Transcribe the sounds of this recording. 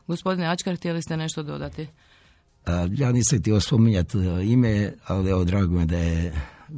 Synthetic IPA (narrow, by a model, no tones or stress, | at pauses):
ɡospo̞d̪ineat͡ʃkaɾxt̪ijelist̪ene̞ʃt̪od̪o̞̰d̪at̪i | ajaːniːsamt̪iospomiɲat̪imealieʋod̪ɾaːɡomed̪aje